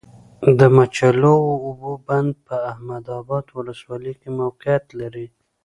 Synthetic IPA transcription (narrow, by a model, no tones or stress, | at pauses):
d̪əmat͡ʃalowoːboband̪̚pəahmad̪ɑbɑd̪wʊləswɑlikemawqɪjat̪laɾi